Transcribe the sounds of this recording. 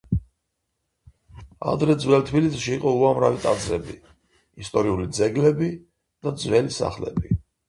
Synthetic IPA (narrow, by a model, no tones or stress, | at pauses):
a̰d̪ɾɛd̪zwɛlˠt̪ʰbilisʃiːqʼɔuamɾavit̪ʼad̪zɾɛbi | ist̪ʼɔɾiulid̪zɛɡlɛbi | d̪̥ad̪zwɛlisa̰χlɛ̰bi